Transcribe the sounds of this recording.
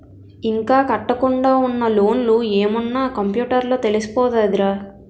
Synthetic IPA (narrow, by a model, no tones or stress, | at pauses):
iŋkaːkɐʈːɐkuɳɖaːunːɐlo̞ːnlueːmɐnːaːkɐmpjuːʈɐɾloːt̪e̞lisi̥pɔːd̪ɐːd̪iɾaː